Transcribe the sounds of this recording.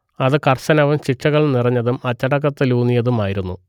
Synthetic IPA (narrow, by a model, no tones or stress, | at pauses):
ɐðɨkɐrɕɐnɐʋɐmɕiʂɐɣɐɭnirɐɲːɐðumɐt͡ɕːɐɽɐk̬ːɐt̪ːɨluːnijɐðumaːjiɾunːu